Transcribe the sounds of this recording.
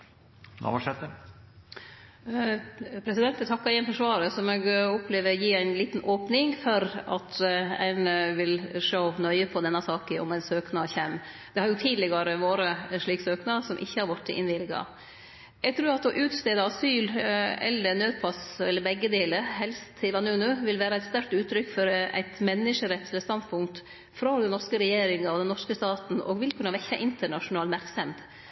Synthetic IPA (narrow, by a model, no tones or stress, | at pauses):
ɑ̰ʋɑʂɛt̪ːə | pʰɾɛsɪd̪ɛnt̪ɛt̪ʰɑkːɑɾɪənfɔʂʋɑːɾəsɔmɛɡɔpʰleːʋəɾjiːæɪnliːt̪n̩ʔoːpnɪŋfɔɾɑ̰t̪ʰæ̰ɪnəʋɪlʂoːnœʏəpʰɔd̪ɛnːɑsɑːkəɔ̰mæɪnsøːknɑːçɛm | d̪̥ɛhɑɾjʊt̪ʰiːd̪lɛɡɑɾəʋoːɾəʂɭiːksøːknɑsɔmʔɪ̰çːəhɑɾʋɑʈːə̰ʔɪ̰nʋɪlɡɑ̰ | jæɡt̪ʰɾʉːɾɑt̪ɔʔʉːt̪st̪eːd̪əɑsyːlɛ̰lːəɾnøːd̪pʰɑsɛlːəɾbɛɡːəd̪eːləɾɦɛlst̪ʰːɪlʋɑnʉːnʉʋɪlʋæːɾɑæɪt̪st̪æɾk̚t̪ʉːt̪ʰɾʏkːfɔɾæ̰ɪt̪mɛnːɪʂəɾɛt̪ːʰɛləst̪ɑnd̪pʰʊŋkt̪ | fɾɔd̪ɛnnɔɾʂkəɾɛjeːɾɪŋɑɔd̪ɛnːɔʂkəst̪ɑːt̪n̩ɔ̰ɡʋɪlkʰʉnːɑʋɛçːɑʔɪnt̪əɳɑʂʊnɑːlmæɾksɛmt̪